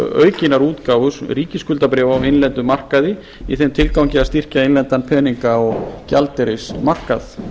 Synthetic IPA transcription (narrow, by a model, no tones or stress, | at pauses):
œ̰ːɥcɪnaɾuːt̪kaːwvʏsriːcɪskʏlt̪apɾɛːvawɪnlɛnt̪ʏmar̥kaðɪ | iθɛmt̪ʰɪlkawɲcɪast̪ir̥caɪnlɛnt̪anpʰɛːniŋkaɔɣcalt̪ɛɾɪsmar̥kaθ